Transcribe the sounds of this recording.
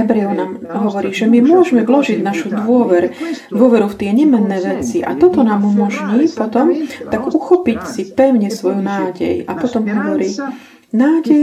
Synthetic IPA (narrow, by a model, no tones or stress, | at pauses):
ɛbɾɛɔnaːmɦɔʋɔɾiːʒɛmimʊɔʒmɛʋlɔʒiɟnaʃud̪ʋʊɔʋɛɾd̪ʋʊɔʋɛɾuft̪ɪɛɲɛmɛnːɛːʋɛt͡siʔa̰t̪ɔt̪ɔnaːmumɔʒɲiːpɔt̪ɔmt̪aɡuxɔpicsipɛʊɲɛsʋɔjunaːɟɛ̰ja̰pɔt̪ɔmɦɔʋɔɾiː | naːɟɛj